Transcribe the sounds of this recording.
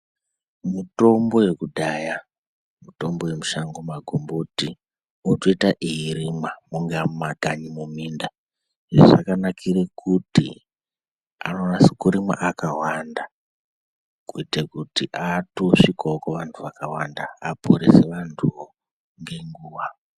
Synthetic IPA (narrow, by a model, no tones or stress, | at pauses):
muto̞mbo̞je̞kuɗaja | muto̞mbo̞je̞muʃaŋɡomaɡʱomboti | utoitaʔiɦiɾimamuŋɡammaɡʱaɲimuminda | ʐḛʐa̰kanakʰiɾekʰutḭ | a̰nonasikuɾima̰ʔakawanda | kuitekutiʔatoʂikaokoʋantʰuʋakawandaːpʰoɾeseʋantʰuʋo | ŋɡe̞ŋɡuːʋa